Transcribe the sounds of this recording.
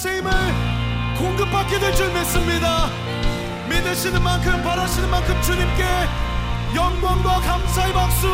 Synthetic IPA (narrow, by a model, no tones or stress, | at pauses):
sʰeimɯɭ | koŋɡɯpʰak͈edwe̞ɭt͡ɕ͈omes͈ɯmɲida | minːɯɕʰinɯnmankʰɯmpaɾaɕʰinɯnmankʰɯmt͡ɕuɲimk͈e̞ | jʌŋɡwaŋɡwakamsʰaepak̚s͈u